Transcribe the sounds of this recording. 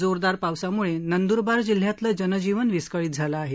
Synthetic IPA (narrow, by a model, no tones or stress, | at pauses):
d͡zoɾd̪aɾpaʋsamuɭenənd̪uɾbaɾd͡ʑil̤jat̪lad͡ʑənəd͡ʑiʋənʋiskəɭiːt̪̚d͡zʱalaːɦe